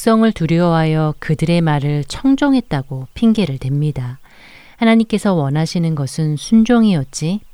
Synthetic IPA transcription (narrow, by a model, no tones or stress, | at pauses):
s͈ʌŋɯɭtuɾjʌɦajʌkɯdɯɾe̞maɾɯɭt͡ɕʰʌŋd͡ʑoŋɦe̞t̚t͈aɡopʰiŋɡe̞ɾɯɭtwe̞mɲida | hanaɲimk͈e̞sʰʌwʌnɦaɕʰinɯnɡʌsʰɯnsʰund͡ʑoŋiʌt̚t͡ɕ͈i